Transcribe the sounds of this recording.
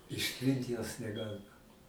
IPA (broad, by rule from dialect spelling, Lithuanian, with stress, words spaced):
ɪʃʲˈtʲrʲɪnt joːs nʲɛˈɡɑːlʲɪmɐ